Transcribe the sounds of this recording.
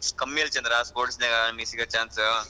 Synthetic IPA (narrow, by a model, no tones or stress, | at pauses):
kɐmːilt͡ʃɐnd̪ɾaspoːɾʈsneɡamisikɐt͡ʃaːnsɐ